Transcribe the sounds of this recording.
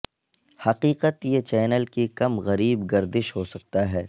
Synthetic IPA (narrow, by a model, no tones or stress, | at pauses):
hɐqiːqət̪jet͡ʃɛːnəlkikɐmɣɐɾiːbɡɐɾd̪ɪʃɦoːsɐk̚t̪aɦɛː